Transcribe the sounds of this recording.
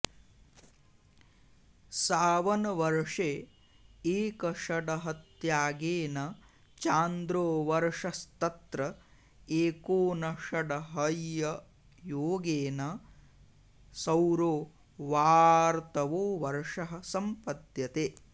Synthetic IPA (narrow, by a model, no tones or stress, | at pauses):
saːʋɐnɐʋɐɾʂe | eːkɐʃɐɖɐɦɐt̪jaːɡeːnɐ | t͡ʃaːnd̪ɾoːʋɐɾʂɐst̪ɐt̪ɾɐ | eːkoːnɐʃɐɖɐɦɐjjɐ | joːɡeːnɐ | sɐwɾoː | ʋaːɾt̪ɐʋoːʋɐɾʂɐɦɐsɐmpɐt̪jɐt̪eː